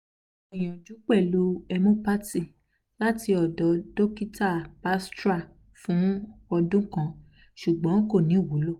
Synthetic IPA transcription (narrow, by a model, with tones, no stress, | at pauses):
ɔ˨j̃ɔ̃˨d͡ʒu˨˦k͡pɛ˦˨lu˦ɛ˧mõ˦pa˦ti˦˨ | la˦ti˧˦ɔ˨dɔ˨˦do˦ki˦ta˦˨pa˦stɾa˦˨ | fũ˨˦ɔ˧dũ˦kã˧˦ | ʃu˨ɡ͡bɔ̃˨˦ko˦˨nĩ˨˦˨wu˨˦lo˦˨